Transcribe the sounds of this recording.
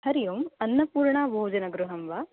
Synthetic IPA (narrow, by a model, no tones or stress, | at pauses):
ɦɐɾijumɐnːɐpuːɾɳaːbʱoːd͡ʒɐnɐɡɾuɦɐmʋaː